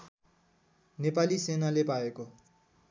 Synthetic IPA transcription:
nepalisenalepaeko

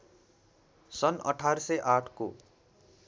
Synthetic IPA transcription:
sʌnʌ̰ʈʰarsʌjʔaʈʰko

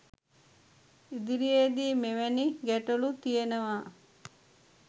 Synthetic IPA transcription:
id̪iɾijed̪iːmeʋæniɡæʈolut̪ijenəʋaː

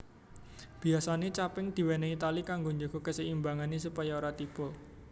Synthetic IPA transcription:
b̥i̤asanet͡ʃapɪŋd̪̥i̤wɛneit̪alikaŋɡoɲd͡ʒo̤ɡ̥ɔ̤kəsəimbaŋanesupajaoɾat̪ib̥ɔ

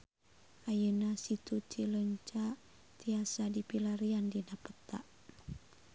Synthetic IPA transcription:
ʔajənasit̪ut͡ʃiləɲt͡ʃa | t̪iasadipilaɾiandinapət̪aʔ

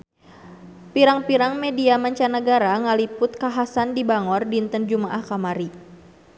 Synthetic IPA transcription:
piɾaŋpiɾaŋmediamaɲt͡ʃanəɡaɾaŋalipʊt̪̚kaɦasandibaŋɔrdint̪ənd͡ʒumaʔahkamaɾi

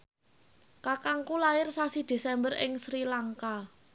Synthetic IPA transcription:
kakaŋkulajɪrsasid̪̥e̤sɛmbərɪ̰ŋsɾilaŋka

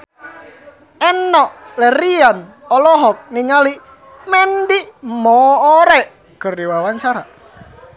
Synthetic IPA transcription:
ɛnːɔʔlɛrian | ɔlɔɦɔk̚niŋali | mɛndimɔːɾɛʔ | kərdiwawaɲt͡ʃaɾa

